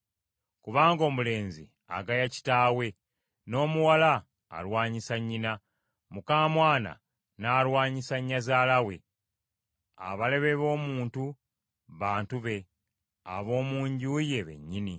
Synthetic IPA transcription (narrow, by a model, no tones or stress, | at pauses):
kuβaːŋɡo̞ːmule̞ːnzḭ | a̰ɡajaci̥taːwe̞ | no̞ːmuwala̰ː | lwaːɲisaɲːina | mukaːmwaːna̰ | naːlwaːɲisaɲːazaːlawe̞̰ | a̰βale̞βe̞βo̞ːmuːntu | βaːntuβe̞ | a̰βo̞ːmuːɲɟuuje̞βe̞̰ɲːini